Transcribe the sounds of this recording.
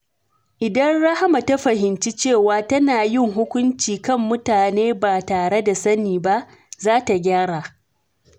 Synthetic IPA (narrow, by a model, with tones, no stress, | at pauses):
ʔɪ˨dɐ˦nɽɐ˦ha˦ma˨ta˦ɸɐ˨hɪ˨nt͡ʃi˦t͡ʃeː˦˨waː˨tɐ˦naː˨jɪ˦˨ŋɦʊ˦kʷʊ˦nt͡ʃiː˨kɐ˦mːʊ˦taː˨neː˦ba˨taː˨ɽe˦da˨sɐ˦niː˨ba˦ʔ | zaː˦ta˨ɡʲaː˦ɽaː˨